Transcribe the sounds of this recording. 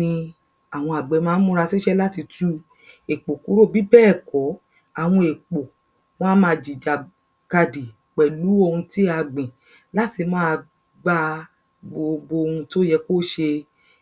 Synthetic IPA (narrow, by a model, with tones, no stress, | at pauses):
nĩ˧ | a˨w̃ɔ̃˧a˨ɡ͡bɛ˨˧˦mãː˨˦mũ˦ɾa˧si˦ʃɛ˦la˦ti˧tu˦ | e˨k͡po˨ku˨˦ɾo˦˨bi˦bɛː˦˨kɔ˨˦ | a˨w̃ɔ̃˧e˨k͡po˨ | w̃ɔ̃˦mãː˧˨d͡ʒi˨d͡ʒa˨ | ɡa˧di˨ | k͡pɛ˨lu˨˦o˧hũ˧ti˦a˧ɡ͡bɛ̃˨ | la˦ti˧mãː˦˧ | ɡ͡ba˦ | ɡ͡bo˧bo˧hũ˧to˦jɛ˧ko˦ʃe˧